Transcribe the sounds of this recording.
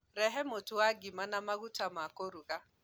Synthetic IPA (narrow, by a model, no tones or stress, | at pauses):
ɾɛɦɛmotʊaɡɪmanamaɣutʰamakoɾuɣa